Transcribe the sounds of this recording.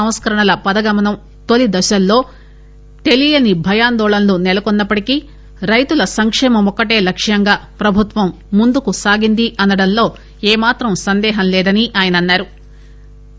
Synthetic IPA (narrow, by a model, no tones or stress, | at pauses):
ɐm̃skɐɾɐɳɐlɐpɐd̪ɐɡɐmɐnɐm | t̪o̞lid̪ɐʃɐlːo̞ː | t̪e̞lijɐnibʱɐjaːnd̪ɔːɭɐnlunɛlɐkɔnːɐpːɐʈiki | ɾɐjt̪ulɐsɐŋkʂɛːmɐmɔkːɐʈe̞ːlɐkʂjɐŋɡaːpɾɐbʱut̪ʋɐmːund̪ukusaːɡind̪iʔɐnɐɽɐnlo̞ː | eːmaːt̪ɾɐmsɐnd̪ɛːɦɐmlɛːd̪ɐniʔaːjɐnɐnːaːɾu